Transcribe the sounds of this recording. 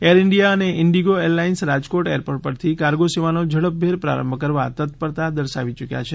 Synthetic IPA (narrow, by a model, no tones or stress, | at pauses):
eɾɪɳɖijaəneʔɪɳɖiɡoelːainsɾad͡ʒkoʈeəɾpoʈ̚pəɾt̪ʰikaɾɡoseʋanod͡ʒəɭəp̚bʱeɾpɾa̰ɾə̰mbʱəkəɾʋa̰t̪ət̪pəɾt̪ad̪əɾʃa̰ʋit͡ʃəkja̰t͡ʃʰe